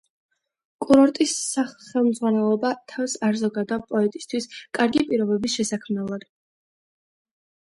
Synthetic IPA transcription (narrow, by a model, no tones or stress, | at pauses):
kʼuɾɔɾt̪ʼisːaχχɛlˠmd̪zʁwanɛlˠɔbat̪ʰafsaɾzɔɡad̪apʼɔɛt̪ʼi̥st̪ʰwiskʼaɾɡipʼiɾɔbɛbisʃɛsakʰmnɛlˠɔɾi